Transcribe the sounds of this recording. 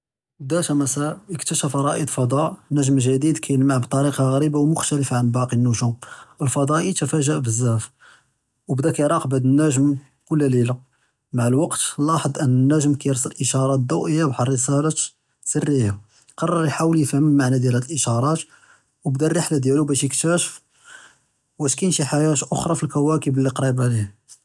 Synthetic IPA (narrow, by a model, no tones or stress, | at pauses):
d̪æt̪æmæsæəkt̪æʃæfɑɾˤɑʔəd̪fɑd̪ˤɑʔnæʒmʒæd̪id̪kʰæjəlmaʕbt̪ˤɑɾiqɑɣæɾibawmʊxt̪æləfʕanbɑqinːuʒuməlfɑd̪ˤɑʔit̪əfæʒəʔbəzːæf | wbd̪ækæjɾˤɑqbəd̪ənːæʒəm | kʊlːælila | maʕəlwɑqt̪lɑħəd̪ˤʔənːənːæʒəmkæjəɾsˤələlʔəʃɑɾˤɑt̪̚d̪uwʔəjːabħrˤːəsælɑt̪ | sərːiha | qɑrˤːɑɾˤjħawəljfəhəmːaʕnæd̪jælhælʔəʃɑɾˤɑt̪ | wbd̪ærˤːəħlad̪jælubæʃjəkt̪æʃəf | wæʃkæjənʃiħajæt̪ʔoxɾˤɑfilkæwækəbəlːiqɾˤibʕlih